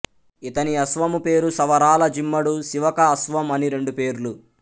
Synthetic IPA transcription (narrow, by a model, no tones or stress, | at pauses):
it̪ɐniɐsʋɐmupe̞ːɾusɐʋɐɾaːlɐd͡ʒimːɐɽusiʋɐkɐːsʋɐmɐniɾe̞ɳɖupe̞ːɾulu